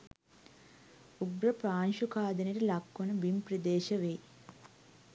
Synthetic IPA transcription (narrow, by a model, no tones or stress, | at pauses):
uɡɾɐpɾaːnʃukaːd̪ɐniɾilɐkːwɐnubimpɾɐd̪eːʃɐʋeː